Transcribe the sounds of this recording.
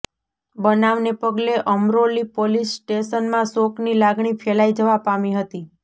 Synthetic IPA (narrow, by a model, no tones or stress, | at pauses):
bənaʋnepəɡleʔəmɾolipolisːʈeʃənmãsoknilaɡɳifʰɛlajd͡ʒəʋapamiɦət̪i